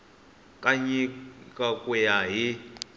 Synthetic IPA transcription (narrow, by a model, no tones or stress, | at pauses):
kʼaɲikʼakʼujaɦi